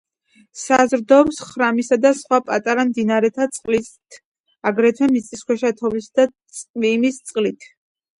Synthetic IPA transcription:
sazɾd̪ɔpsχɾamisad̪asχwapʼat̪ʼaɾamd̪inaɾɛt̪ʰat̪sʼqʼlit̪ʰ | aɡɾɛt̪ʰwɛmit̪sʼiskʰwɛʃat̪ʰɔvisd̪a | sʼvimist̪sʼqʼlit̪ʰ

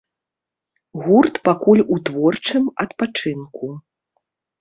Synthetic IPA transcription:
ɣurt̪pakulʲut̪vɔrt͡ʂɨmɐt̪pat͡ʂɨnku

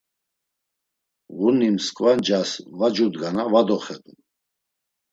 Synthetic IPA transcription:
ɣunimskʼvand͡ʒasvad͡ʒud̪ɡanavad̪ɔχɛd̪u

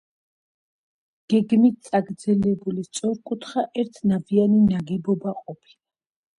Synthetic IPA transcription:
ɡ̥ɛɡmit̪̚sʼaɡɾd̪zɛlɛbulist̪sʼɔɾkʼut̪ʰχaʔɛɾt̪ʰnavianinaɡɛbɔbaqʼɔpʰi̥la

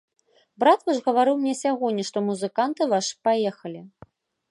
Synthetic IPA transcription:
bɾat̪vaʐɣɐvaɾɨwmnʲɛsʲaɣɔnʲːiʂt̪ɔmuzɨkant̪ɨvaʂɨ̥pajɛxɐlʲi

